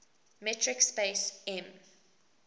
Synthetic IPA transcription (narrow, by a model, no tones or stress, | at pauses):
mɛtʰɹɪkspeɪsɛ̃m